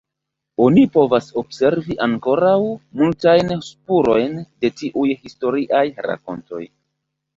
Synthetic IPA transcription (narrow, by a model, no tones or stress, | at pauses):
o̞nipo̞vaso̞bse̞ɾviʔaŋko̞ɾawmultajnspuɾo̞jnde̞tiʔujhisto̞ɾiʔajɾa̰ko̞̰nto̞̰j